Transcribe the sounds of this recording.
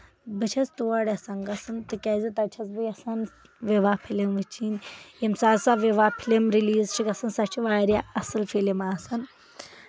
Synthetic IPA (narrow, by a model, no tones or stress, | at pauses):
bɨt͡ʃʰɐzt̪uːaɽʲɐsɐŋɡɐsɨnt̪ɨkʲɐzit̪ɐt͡ʃʰɐzbɨjɐsan | ʋeʋapʰilimʋɨt͡ʃʰinjemsaːsaʋeʋapʰilemɾiliːzt͡ʃʰikɐsɨnsɐt͡ʃʰiʋaːɾjaɐsɨlfʰelimaːsɐn